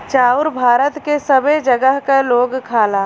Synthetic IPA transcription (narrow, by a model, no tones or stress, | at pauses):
t͡ʃaːʊɾbʱaːɾət̪kesəbed͡ʒəɡəɦkaloːɡkʰaːlaː